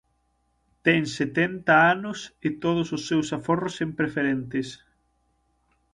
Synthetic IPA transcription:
t̪ɛŋset̪ent̪ɐanʊsɪt̪oð̞ʊsʊsːewsaforʊsempɾefeɾent̪ɪs

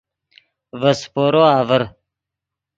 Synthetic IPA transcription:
vɐspoːɾoaːvəɾ

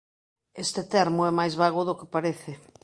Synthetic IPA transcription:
est̪ɪt̪ɛɾmʊɛmajzβaɣʊðokɪpaɾeθɪ

